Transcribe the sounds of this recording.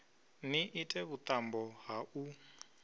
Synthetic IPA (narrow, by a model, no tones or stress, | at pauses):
niʔitʼɛβut̪ʼambɔɦaʔu